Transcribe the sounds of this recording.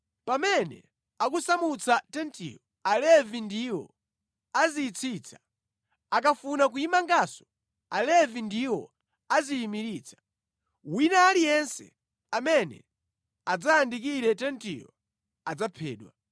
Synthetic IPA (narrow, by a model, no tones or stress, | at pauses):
pamɛnɛ̰ | ak̬usamut͡satɛntḭjɔ | alɛvindiwɔ̰ | aziːt͡sʰit͡sʰḁ | akafunak̬uimaŋɡasɔ̥ | alɛvindiwɔ | aziːmiɾiːt͡sʰḁ | winaːlijɛnsɛ̰ | amɛnɛ̰ | ad͡zaːndik̬iɾɛtɛntijɔ̰ | ad͡zapʰɛ̰ːɗwa